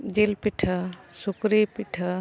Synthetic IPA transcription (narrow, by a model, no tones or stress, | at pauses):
d͡ʒelpiʈʰəsukɾipiʈʰə